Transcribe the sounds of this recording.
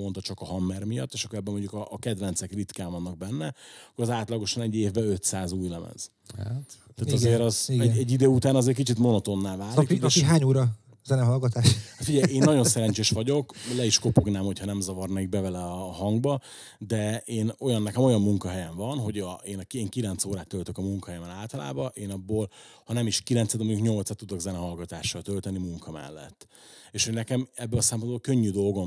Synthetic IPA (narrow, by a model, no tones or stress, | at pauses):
o̞nt̪ɒt͡ʃɒkɒɦɒmːɛrmijɒt̪ːeʃɒkːoɛbːɛmo̞ɲɟukɒːkɛd̪vɛnt̪sɛkrit̪kaːɱvɒnːɒɡ̚bɛnːɛɒkːoɾɒzaːt̪lɒɡo̞ʃɒnɛɟːeːvbɛø̞t̪saːzuːjlɛmɛ̰z̥ | t̪ːɛːt̪ɒzeːɾɒzɛɟɛɟːid̪øːut̪aːnɒzeːrkit͡ʃit̪mo̞no̞t̪o̞nːaːlvaːɾikːʃiɦaːɲuːɾɒ | zɛnɛmɦɒlɡɒt̪aːʃt̪fiɟɛjeːnːɒɟo̞nsɛɾɛɲt͡ʃeːʃʋɒɟo̞klɛiʃko̞poɡnaːmho̞chɒnɛmzɒvɒrnɛkiɡ̚bɛvɛlɛɒːɦɒŋɡbɒ | d̪ɛeːno̞jɒnːɛkɛmo̞jɒmːuŋkɒɦɛjɛɱvɒnɦo̞ɟɒeːnɒkeːŋkilɛnt̪soːɾaːt̪ːølt̪ø̞kɒmuŋkɒɦɛjɛmɛnlaːlt̪ɒla̰ːbɒʔeːnɒbːoːlhɒnɛmiʃkilɛnt̪sɛd̪moɲukɲo̞lt̪sɒt̪ːud̪o̞ɡzɛnɛɦɒlɡɒt̪aːʃːɒt̪ø̞lt̪ɛnimuŋkʰɒmɛ̰lːɛ̰t̪ː | eːʃho̞ɟnɛkɛmɛbːɛlɒsɛmpo̞nbolkøɲːyd̪o̞lɡo̞m